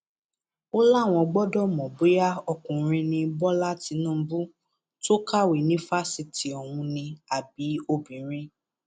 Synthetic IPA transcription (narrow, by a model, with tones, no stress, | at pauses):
o˦la˦˨w̃ɔ̃˧ɡ͡bɔ˦dɔ˦˨mɔ̃˨bo˨˦ja˦ɔ˧kũ˨˦ɾ̃ĩ˧nĩ˧bɔ˦la˦ti˨˧˦nũ˦bu˦ | to˦ka˦˨wi˨nĩ˦fa˦si˧ti˨ɔ˨wũ˧nĩ˧a˨b̚i˨˦o˦bĩ˨˦ɾ̃ĩ˦